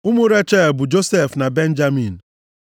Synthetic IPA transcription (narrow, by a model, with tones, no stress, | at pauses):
u˦mu˦ɾe˦t͡ʃe˦˨bʊ˨d͡ʒo˦se˦˨fna˨be˦n̩˦d͡ʒa˦mi˨n̩˨